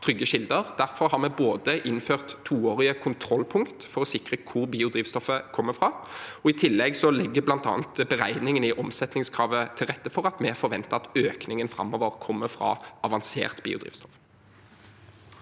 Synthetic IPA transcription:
t̪ʰɾʏɡːəʃɪld̪əʁd̪̥æʁfɔʁhɑʁmɛboːd̪əʔɪnføːʁt̪ʰːuːoːʁɪəkʰʊnt̪ʰɾɔlːpʰʊŋkt̪fɔʁɔsɪkʁəkʰʊʁbiːʊd̪ɾiːʋst̪ɔfəkʰɔmːəfʁɑːɔɪt̪ʰɪlːɛɡsɔlɛɡːəblɑnt̪ɑ̰ːnt̪bɛʁæɪnɪŋənɪʔɔmsɛt̪nɪŋskʰʁɑːʋət̪ʰɪlʁɛt̪ːəfɔʁɑt̪mɛfɔɾʋɛnt̪əɑt̪øːknɪŋənfɾɑ̰mːɔʋəʁkʰɔmːəfɾɑ̰ɑʋɑnsḛːʁt̪bḭːʊd̪ʁḭːʋst̪ɔf

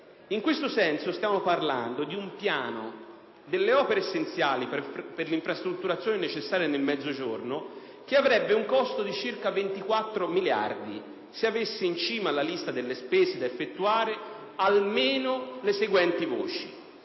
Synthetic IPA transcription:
iŋkwest̪osɛnsost̪jaːmoparla̰nd̪od̪iumpjaːno | d̪elːeɔːpeɾeːsːent̪sjaːlipperliɱfɾast̪ɾut̪ːuɾat̪sjoːnenet͡ʃesːaːɾijanelmɛd̪zːod͡ʒorno | k̟eavɾɛbːeuŋkɔst̪od̪it͡ʃirkavent̪ikwat̪ːɾomilja̰rd̪i | seavesːeint͡ʃiːmalːalist̪ad̪elːespɛːzed̪aefːet̪ːuaːɾe | almeːnoleseɡwɛnt̪ivoːt͡ʃḭ

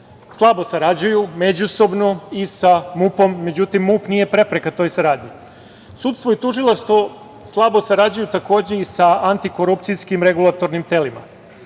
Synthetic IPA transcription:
slˠabo̞saɾad͡ʑujume̞d͡ʑuso̞bno̞isamupo̞mːe̞d͡ʑut̪imːupnije̞pɾe̞pɾe̞kat̪o̞ːjsaɾaːd̪ɲi | suːt̪st̪ʋo̞it̪uʒilˠaʂt̪ʋo̞ | slˠabo̞saɾad͡ʑujut̪ako̞ːd͡ʑe̞isaant̪iko̞ɾupt̪sijskimɾe̞ɡulˠat̪o̞ɾnimt̪e̞lima̰

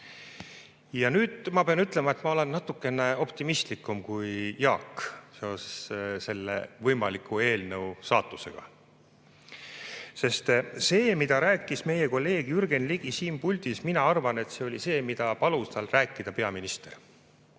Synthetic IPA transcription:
jɑnyːd̪̥mɑpeɑnyt̪ːˑle̞mɑe̞t̪ːˑmɑo̞le̞nːɑt̪ːˑukːˑe̞neo̞pt̪imist̪likːˑumkujjɑːkse̞ose̥sse̞lːḛvɤjmɑlikʰːˑue̞ːlnəusɑːt̪ːˑuse̞̰ɡ̥ɑ̰ | se̞st̪se̞ːmid̪̥ɑɾæːkːˑisme̞jeko̞lːe̞ːɡ̥yrɡenliɡ̥isiːmpulʲd̪isminɑɑrvɑne̞t̪se̞o̞lʲise̞ːmid̪̥ɑpɑlust̪ɑlræːkːˑid̪̥ɑpe̞ɑminist̪e̞r

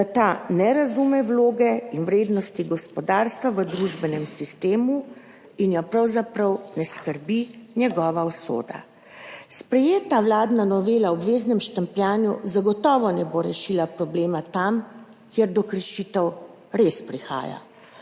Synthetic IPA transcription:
d̪at̪anɛɾazumɛwloːɡɛinwɾeːd̪nɔst̪iɡɔspɔd̪aːɾst̪ʋaʋəd̪ɾuʒbɛnɛmsist̪eːmu | injɔpɾawzapɾɐwnɛskəɾbinjɛɡɔːʋaɔso̰ːd̪a̰ | spɾɛjeːt̪awlaːd̪nanɔʋeːlaɔbʋeːznɛmʃt̪ampjaːnjṵzaɡɔt̪ɔːʋɔnɛboɾɛʃilapɾɔbleːmat̪am | keɾd̪ɔkɾəʃit̪ɛw | ɾespɾixa̰ːja̰

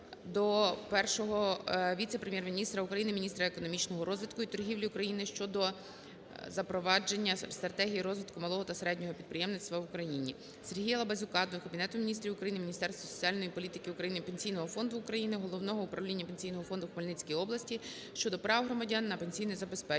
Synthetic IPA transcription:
d̪ɔpɛrʃɔɦɔʋʲit̪sepɾemʲjɛrmʲinʲist̪ɾɐukɾɐjinɪmʲnʲist̪ɾɐekɔnɔmʲit͡ʃnɔɦɔɾʔɔzʋʲɪt̪kʊit̪ɔrɦʲiʋlʲiʊkɾɐjinɪʃt͡ʃɔd̪ɔ | zɐpɾɔʋɑd͡ʒenʲːɐst̪ɾɐt̪ɛɦʲijiɾɔzʋɪt̪̚kʊmɐlˠɔɦɔt̪ɐseɾɛdʲnʲɔɦɔpʲid̪̚pɾejɛmnɪt͡sst̪ʋɐʋʊkɾɐjinʲi | se̞rɦijɐlˠɐbɐzʲʊkɑd̪ɔkɐbʲinɛt̪ʊmʲinʲist̪ɾʲiʋʊkɾɐjinɪmʲinʲist̪ɛrst̪ʋɔsɔ̥t͡sʲiɑlʲnɔjipɔlʲit̪ɪ̥kɪukɾɐjinɪpe̞nʲsʲijnɔɦɔfɔnd̪ʊːkɾɐjinɪɦɔlˠɔwnɔɦɔʊpɾɐʋlʲinʲːɐpenʲsʲijnɔɦɔfɔnd̪ʊxmɐlʲnɪt͡sʲkijiɔblˠɐsʲtʲi | ʃt͡ʃɔd̪ɔpɾɑwɦɾɔmɐdʲɑnːɐpe̞nʲsʲijnɪjzɐbespɛ

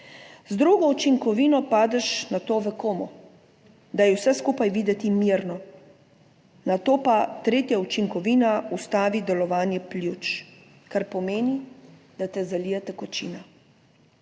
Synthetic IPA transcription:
zd̪ɾuɡɔut͡ʃiŋkɔʋiːnɔpaːd̪ɛʃnat̪oːʋɛkoːmɔ | d̪ajɛwsɛskuːpajʋiːd̪ɛt̪imiɾnɔ | nat̪oːpat̪ɾeːt̪jaut͡ʃiŋkɔʋiːnaust̪aːʋid̪ɛlɔʋaːnjɛplʲjut͡ʃ | kaɾpɔmeːni | d̪̥at̪ɛzaliːjɛt̪ɛkɔt͡ʃiːna

